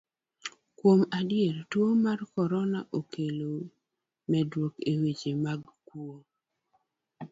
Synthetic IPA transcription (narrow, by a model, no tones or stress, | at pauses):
kwomadɪeɾtwomarkɔɾɔnaʔokelo | mɛdwokewet͡ʃemaɡkwo